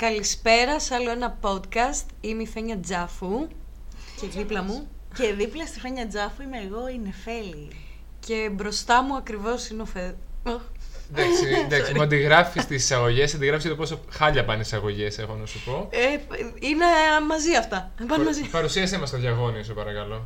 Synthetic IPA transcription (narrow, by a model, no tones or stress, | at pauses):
kɐlispe̞ɾɐsɐlo̞enɐpo̞t̪kɐst̪imifeɲɐd͡zɐfu | ceðiplɐmuceðiplɐst̪ifeɲɐd͡zɐfuimeːɣo̞ine̞fe̞li | ce̞bɾo̞st̪ɐmuɐkɾivo̞sineofe | d̪ɐksid̪ɐkksimmuɐnd̪iɣɾɐfist̪isi̥sɐɣo̞ʝesɐnd̪iɣɾɐfiscet̪oposoxɐʎɐpɐnesɐɣo̞ʝe̞seɣo̞nɐsupo̞ | inemɐziɐft̪ɐpɐnmɐzipɐɾusiɐsemɐst̪oðʝɐɣo̞nios̬opɐɾɐkɐlo̞